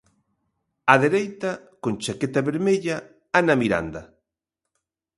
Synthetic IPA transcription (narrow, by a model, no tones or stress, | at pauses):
aðeɾejt̪a | kont͡ʃaket̪aβeɾmeʎa | anamiɾa̰nd̪ɐ